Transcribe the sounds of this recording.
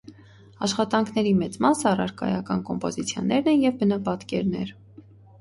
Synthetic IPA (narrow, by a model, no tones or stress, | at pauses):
ɑʃχɑt̪ɑŋkʰn̪ɛɾimɛt͡smɑsəɑrɑ̰ɾkɑ̰jɑkɑnkɔmpɔzit͡sʰjɔnːɛɾnɛnjɛvbənɑpɑt̪kɛɾnɛ̰ɾ